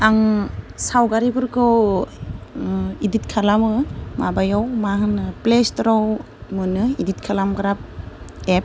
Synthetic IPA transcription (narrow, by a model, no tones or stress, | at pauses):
aŋsawɡaɾibɯɾkʰɯw | iditkʰalamɯmabajɔwmaɦɯnɯplestɾɔw | mɯnɯidit̚kʰalamɡɾap̚ep̚